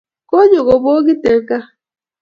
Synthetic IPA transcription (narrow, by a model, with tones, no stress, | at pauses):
ko˦ɲo˨ɣo˨bo˦o˦ɡi˦te˨ŋ̩˦ka˦